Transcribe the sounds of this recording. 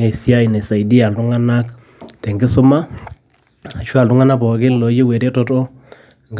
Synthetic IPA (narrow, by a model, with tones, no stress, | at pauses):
e˨sja˦i˨ne˨sa˨i˨di˦a˨ltu˦ŋa˦na˦k | te˨ŋɡɪ˦sʊ˦ma˦ | a˨ʃwa˨ltu˦ŋa˦na˦p̬ɔ˨kɪ˦llo˨˦je˦we˨ɾe˦to˦to˦ | ŋɡ